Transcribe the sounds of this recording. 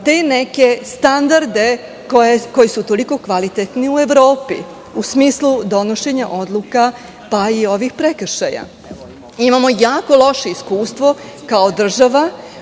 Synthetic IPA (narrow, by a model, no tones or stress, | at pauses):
t̪e̞neke̞st̪and̪aɾd̪e̞ | kojeko̞jisut̪o̞liko̞kʋalit̪et̪niue̞ʋɾo̞ːpḭ | usmiːslˠud̪o̞noʃe̞ɲaʔo̞d̪lˠuka | paio̞ʋixpɾekr̩ʃaja̰ | imamo̞jaːko̞lˠo̞ʃe̞iskuːst̪ʋo̞kaod̪r̩ʒaʋa